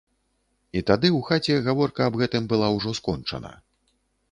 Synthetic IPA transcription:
it̪ad̪ɨwxat͡sʲɛɣavɔrkɐːbɣɛt̪ɨmbɨlˠawʐɔskɔnt͡ʂɐ̰nɐ̰

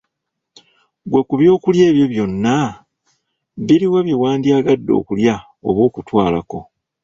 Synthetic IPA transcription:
ɡwe̞kuβjo̞ːkulje̞ːβjo̞βjo̞nːa | βiɾiweβiwaːndiaːɡadːo̞̰ːkulja | o̞̰βwo̞ːkutwaːla̰ko̞

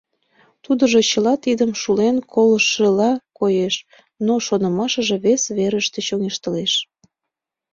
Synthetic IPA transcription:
t̪ud̪əʒot͡ɕəlɑt̪id̪əmʃulenkʰoləʃəlɑkojeʃ | noʃonəmɑʃə̆ʒe̽βesβeɾəʃt̪eɕoŋeʃt̪əleʃ

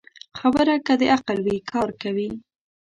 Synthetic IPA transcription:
xabəɾakad̪əʔaqalwikʰɑɾkawi

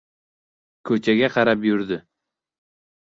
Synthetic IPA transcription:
kʰɵt͡ʃʰaɡʲaqʰɑɾapjʊɾd̪ɪ

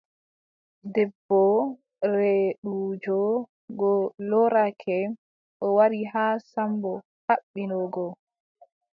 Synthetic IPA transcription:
dɛbːɔ | ɾɛɗud͡ʒɔ | ɡɔlɔɾakʰɛ | ʔɔwaɾiɦaːsambɔ | haɓːinɔɡɔ

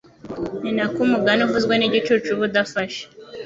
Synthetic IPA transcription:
ninakumuɡanuvuzɡweniɟit͡ʃut͡ʃuβud̪afaʃe̥

